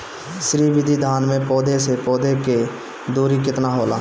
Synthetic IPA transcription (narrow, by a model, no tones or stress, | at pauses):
ʃɾiːʋɪd̪ʱid̪ʱaːnmẽpɔːd̪ʱesepɔːd̪ʱeke | d̪uːɾik̬ɪt̪naɦoːla̰ː